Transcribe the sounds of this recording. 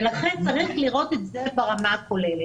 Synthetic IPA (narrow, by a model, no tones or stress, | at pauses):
elaχe̞nt͡saʁiχliʁo̞t̪etze̞baʁamako̞lele